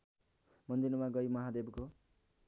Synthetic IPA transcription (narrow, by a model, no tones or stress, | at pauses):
mʌnd̪inumaɡʌjmʌɦad̪ebko